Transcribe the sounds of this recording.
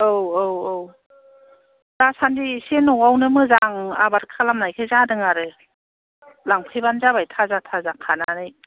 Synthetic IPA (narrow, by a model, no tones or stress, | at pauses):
owoww | d̥asandisenɔwawnɯmɯzaŋa̰baɾkʰalamnajkʰajzadɯŋaɾɯ | laŋpʰɯjbanzabajtʰazatʰazakʰananɯj